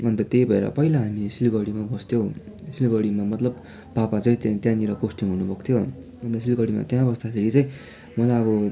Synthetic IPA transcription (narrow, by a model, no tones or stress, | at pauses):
ʌnt̪ʌt̪ejbʱʌeɾʌ̰pʌɦilaɦamisilɡʌɽimabʌst̪ʰjow̃ | silɡʌɽimamʌt̪lʌbː | apat͡sʌĩt̪t̪jãniɾʌkosʈʌmɦunubʱʌkt̪ʰjo | ʌnt̪ʌsilɡʌɽima̰t̪jãbʌsd̪apʰeɾit͡sʌj̃ | mʌlaʌbʌ